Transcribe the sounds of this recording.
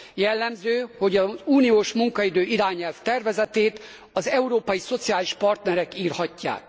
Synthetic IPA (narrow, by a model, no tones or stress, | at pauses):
jɛlːɛmzøːho̞ɟɒzuːnijoːʃmuŋkɒid̪øːiɾaːɲɛlft̪ɛrvɛzɛt̪eːt̪ | ɒzɛuɾoːpɒjiso̞t̪sijaːliʃpɒrt̪nɛɾɛkiːrhɒcːa̰ːk